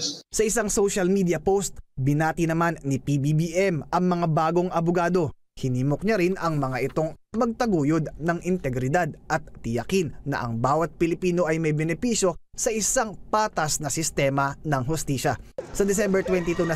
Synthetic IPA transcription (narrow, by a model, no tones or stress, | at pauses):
sɐʔɪsaŋsowʃɐlmid̪ijɐpost̪̚bɪnaːt̪inɐmanːipibibiʔɛmʔɐŋmɐŋabaːɡo̞ŋʔɐbʊɡaːd̪o̞ | hɪniːmokɲaɾɪnʔɐŋmɐŋaʔɪt̪o̞ŋ | mɐɡ̚t̪ɐɡuːjod̪̚nɐŋʔɪnt̪ɛɡɾɪd̪ad̪̚ʔɐt̪̚ːɪjɐkinːɐ̰ʔɐ̰ŋbaːwɐt̪̚pɪlɪpiːno̞ʔɐjmɐjbɛnɛpiʃjo̞sɐʔɪsaŋpaːt̪ɐsnɐsɪst̪ɛːmɐnɐŋɦʊst̪iːʃɐsɐd̪ɛsɛmbɛɹt̪wɛnt̪it̪unɐ